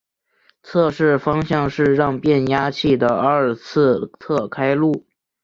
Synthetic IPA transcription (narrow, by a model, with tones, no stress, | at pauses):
t͡sʰɤ˥˧ʂɻ̩˥˩fɑ˥ŋɕjɑ˥˧ŋʂɻ̩˥˧ɻɑ˥˧ŋpjɛ˥˩nja˥t͡ɕʰi˥˩d̪ə˩ɐ˞˥˧t͡sʰɹ̩˥˧t͡sʰɤ˥˩kʰa˥ɪlu˥˩